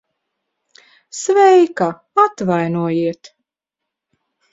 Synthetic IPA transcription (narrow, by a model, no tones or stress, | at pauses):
svɛjka | at̪vajnuɔjiɛt̪